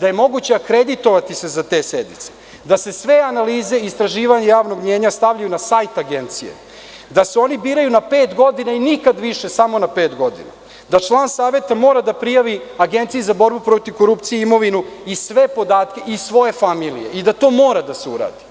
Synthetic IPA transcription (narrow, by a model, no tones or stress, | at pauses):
d̪aje̞mo̞ɡut͡ɕeakɾed̪it̪o̞ʋat̪ise̞zat̪eːsed̪nḭt̪se | d̪ase̞sʋeanaliːze̞ist̪ɾaʒiːʋaɲejaːʋno̞ɡmɲe̞ːɲast̪aʋʎajunasajt̪aɡent̪sijḛ | d̪aseo̞nibiːɾajunape̞ːt̪ɡo̞d̪inainikad̪ʋiʃe̞samo̞nape̞ːt̪ɡo̞d̪ḭna̰ | d̪at͡ʃlˠaːnsaːʋe̞t̪amo̞ːɾad̪apɾijaʋiaɡe̞nt̪sijezabo̞ɾbupɾo̞t̪iʋko̞ɾupt̪sijeimo̞ʋinuisʋe̞po̞d̪aːt̪ke̞ʔisʋo̞je̞familḭjḛid̪at̪o̞ːmo̞ːɾad̪aseṵɾa̰ːd̪i